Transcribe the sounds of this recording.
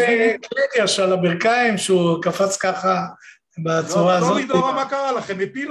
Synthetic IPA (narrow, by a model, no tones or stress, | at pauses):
klidjaʃalabiʁkaimʃeukafat͡skaχa | bat͡suʁaːzod̪amakaʁalaχemepil